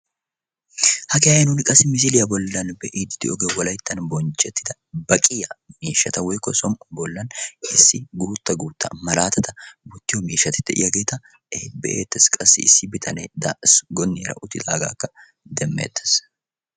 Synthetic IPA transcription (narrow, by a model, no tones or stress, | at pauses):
hɐkɛɐjnʊnkʼɐsɪmɪs̬ɪlɪjɐbɔlːɐnbɛʔɪd̪ɪd̪ɪ̰ɔɡewɐlɐjt̪ːɐnbɔnt͡ʃɛt̪ːɪd̪ɐ | bɐkʼɪjɐmiːʃːɐt̪ɐwɛjkːɔsɔmbɔlːɐnɪsːɪɡuːt̪ːɐɡuːt̪ːɐ̰mɐlaːt̪ɐt̪ɐbut̪ːɪjɔmiːʃːɐt̪ːɪ̥t̪ːɛʔɪ̰jɐɡeːt̪ːɐ | ebɛ̰ʔeːt̪ːɛskʼɐsːɪ̰ɪsːɪbɪt̪ʰɐned̪asɡɔnːɪɾɐ̰ʔʊt̪ːɪd̪aːɡa̰ːkːɐ | d̪ɛmːḛːt̪ːɐ̥s